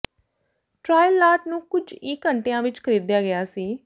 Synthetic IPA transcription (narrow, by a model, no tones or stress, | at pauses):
ʈɾaːjəlːaːʈ̚nũːkʊd͡ʒiːkəɳʈejãːʋɪt͡ʃkʰəɾiːd̪jaːɡɪjaːsiː